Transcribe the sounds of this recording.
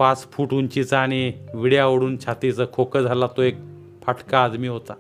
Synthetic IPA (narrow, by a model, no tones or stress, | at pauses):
pat͡sfʰuʈuɲt͡ɕit͡səaɽ̃iʋiɽjaʋəɽuːnt͡ɕʰat̪it͡səkʰokəd͡zʱalat̪oek̚ | pʰaʈʰkaːd̪miːɦot̪a